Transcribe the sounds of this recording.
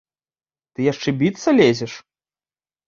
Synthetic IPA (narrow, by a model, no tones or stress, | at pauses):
t̪ɨjaʂt͡ʂɛbʲit̪sɐlʲezʲɛʂ